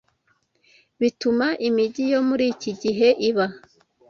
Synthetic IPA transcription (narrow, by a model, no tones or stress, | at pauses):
βitumaʔimiɟijo̞muɾiːciɟiɦe̞ʔiβa